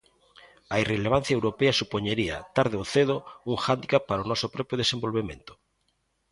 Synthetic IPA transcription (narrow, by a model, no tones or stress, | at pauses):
aireleβ̞an̟θjaewɾopeasupoɲeɾia̰t̪aɾð̞eoθeðouŋxand̪ikappːaɾaonɔsopɾɔpjoðesembolβemḛ̃nt̪o̥